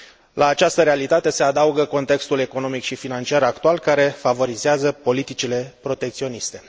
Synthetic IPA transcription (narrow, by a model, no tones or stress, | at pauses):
lʔaːt͡ʃast̪əɾealit̪at̪e̞se̞ad̪auɡəko̞nt̪e̞kst̪ule̞ko̞no̞mikʃifinant͡ʃiaɾakt̪ualkaɾe̞favo̞ɾizeazəpo̞lit̪it͡ʃile̞pɾo̞t̪e̞k̚t̪sio̞nist̪e̞